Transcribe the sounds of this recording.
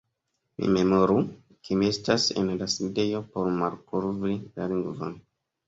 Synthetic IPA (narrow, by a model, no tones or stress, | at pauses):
mḭme̞mo̞ɾu | kʰemie̞stasḛnlaside̞jo̞po̞ɾmaɾkuɾvɾilaliŋɡvon